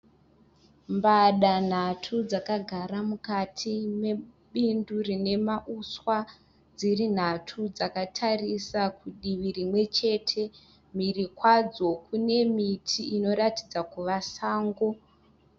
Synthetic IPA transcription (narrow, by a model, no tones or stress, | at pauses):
mbaɗan̤atʰud͡zakaɡʱaɾamukatʰime̞ | ɓindurine̞maʔuswa | d͡zirin̤atʰud͡zakatʰarisakuɗiʋirimwe̞t͡ʃe̞ːtʰe̞ | mirikwad͡zo̞kune̞mitʰiino̞ɾati̥d͡zakuʋasaːŋɡo̞